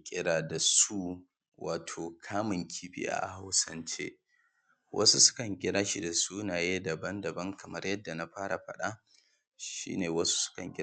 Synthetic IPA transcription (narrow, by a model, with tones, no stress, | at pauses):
kʲʼɪ˦ɽaː˨da˨su˦ | waː˨tʰoː˨kʰaː˦mɪ˨ŋkʲʰiː˦ɸḭ˦ʔa̰˨ʔha˦wsɐ˦nt͡ʃḛː˦ | wʔɐ̰˦su˦sʊ̥˦kɐ˨ŋɡʲɪ˦ɽaː˦ʃi˨da˨su˦naː˨jeː˦dɐ˨bɐ˦ndɐ˨bɐ˦ŋkɐ˨mɐ˦rjɐ˦dːa˨na˦ɸaː˦ɽa˨ɸɐ̰˦ɗa˦ | ʃḭː˦neː˨wɐ˦su̥˦sʊ̥˦kɐ˨ŋɡʲɪ˦